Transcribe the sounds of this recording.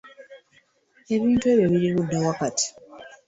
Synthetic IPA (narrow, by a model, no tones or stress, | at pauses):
e̞βiːntue̞βjaβiɾiβudːawakatʰi̥